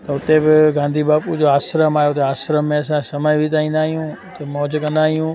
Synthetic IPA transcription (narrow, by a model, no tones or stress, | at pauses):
t̪ɐʊt̪ebɪɡãːnd̪ʱiːbaːpud͡ʒoaːsɾəmaːjot̪eaːsɾəmːẽɐsãsəməjʋit̪aːĩnd̪aːɦijũːt̪emɔːd͡ʒkə̃nd̪aːɦijũː